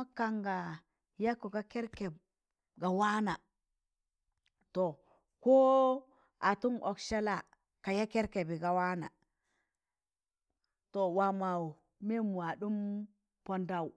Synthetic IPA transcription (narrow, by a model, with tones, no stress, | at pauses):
a˦ka˨ŋɡa˨ | ja˦kːo˨ɡa˦ke˦ɾke˨b̚ | ɡa˨wa˦na˨ | to˨ | ko˦ | a˨tu˦ŋʔo˨kʃe˦la˨ | ka˨ja˦ke˦ɾke˨bi˨ɡa˨wa˦na̰˨ | to˨wa˨ma˨wu˨ | me˦mu˨a˨ɗu˦m | po˦nda˨w